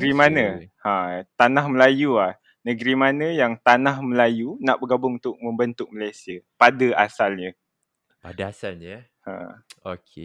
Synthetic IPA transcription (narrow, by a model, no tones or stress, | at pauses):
ɾimanãhãt̪anahməlajuah | nəɡɾimanə̃jaŋt̪anahməlajunaʔbəɡabʊŋunt̪ʊk̚mə̃mbənt̪ʊk̚məlajsiapadaasalɲə | padaasalɲa | hã̰okʰe